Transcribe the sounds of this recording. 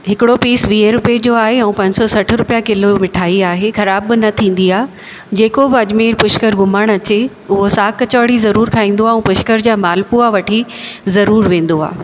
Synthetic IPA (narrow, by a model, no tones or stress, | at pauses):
ɦɪkɪɽopiːsʋiːɦeɾʊped͡ʑoaːɦeɛ̃ũpɐ̃ɲsɔsɐʈ̆ʰɾʊpijakɪlomɪʈʰaːiaːɦexɐɾaːbːɪnɐt̪ʰĩːn̆d̪iaː | d͡ʑeːkobɪɐd͡ʑmeːɾpʊʃkəɾɡʱʊməɽ̃ɐt͡ɕe | ʊɦosaːkɐt͡ɕaːɽizɐɾuːɾkʰaːĩːn̆d̪oaːũːpʊʃkəɾd͡ʑaːmaːlpuaʋɐʈʰizɐɾuːɾʋẽːn̆d̪oa̰ː